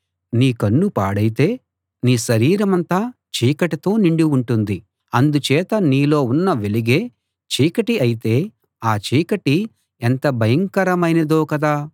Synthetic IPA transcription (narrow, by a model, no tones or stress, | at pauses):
niːkɐnːupa̰ːɽɐjit̪e̞ː | niːʃɐɾiːɾɐmɐnt̪aː | t͡ʃiːkɐʈit̪o̞ːniɳɖiuɳʈund̪i | ɐnd̪ut͡ʃɛːt̪ɐniːlo̞ːunːɐʋeliɡeː | t͡ʃiːkɐʈiɐjit̪e̞ː | aːt͡ʃiːkɐʈi | ent̪ɐbʱɐjɐŋkɐɾɐmɐjnɐd̪o̞ːkɐd̪aː